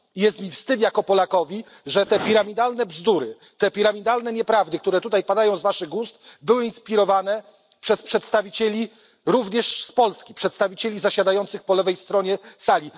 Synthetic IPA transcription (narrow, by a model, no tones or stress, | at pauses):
ijɛst̪mʲifst̪ɘt̪jakɔpɔlakɔvʲi | ʐɛt̪ɛpʲiɾamʲid̪alnɛbzd̪uɾɘ | t̪ɛpʲiɾamʲid̪alnɛɲɛpɾavd̪ɘk̚t̪uɾɛt̪ut̪ajpad̪ajɔ̃w̃zvaʂɘɣɡust̪bɘwɘinspʲiɾɔvanɛ | pʂɛspʂɛt̪st̪avʲit͡ɕelʲi | ɾuvɲɛʂspɔlskʲi̥pʂɛt̪st̪avʲit͡ɕelʲizaɕad̪ajɔnt̪sɘxpɔlɛvɛjst̪ɾɔɲɛsalʲi